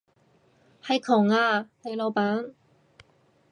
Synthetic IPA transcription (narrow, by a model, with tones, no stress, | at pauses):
hɐ˨˧jkʰʊ˨˩ŋaː˧le˨˧jlo˨˧paː˨˥n